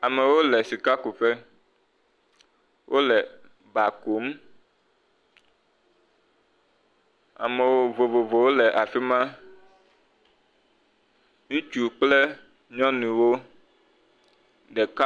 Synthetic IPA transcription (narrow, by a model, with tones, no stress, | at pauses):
a˨mɛ̃˨wo˦lɛ˨si˨ka˦ku˨fɛ˦ | wʔo˦lɛ˨ | ba˨ko˨˦m | a̰˨mẽ˨wo˦vo˨vo˨vo˨wo˦lɛ˨ʔa˨fi˦mã˦ | nĩ˦t͡ʃu˨k͡plɛ˦ | ɲɔ̃˦nũ˨wo˦ | ɖɛ˨ka˦